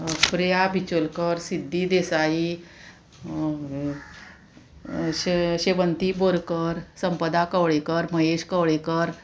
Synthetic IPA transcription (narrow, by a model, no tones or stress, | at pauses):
pɾijabʱit͡ɕolkəɾsid̪ːid̪esai | ɕɕeʋənt̪iboɾkəɾsəmpəd̪akəʋɭekəɾməɦeɕkəʋɭekəɾ